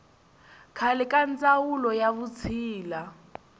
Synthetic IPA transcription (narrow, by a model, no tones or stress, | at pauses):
kʰalɛkʼant͡sʼawulɔjaβut͡sʰiːla